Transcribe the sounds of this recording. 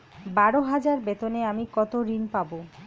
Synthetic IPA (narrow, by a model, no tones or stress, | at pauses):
baɽoɦad͡ʑaɾbet̪oneamikɔt̪oɾinpabo